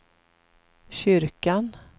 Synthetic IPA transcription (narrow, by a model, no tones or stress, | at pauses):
ɕʏɾkan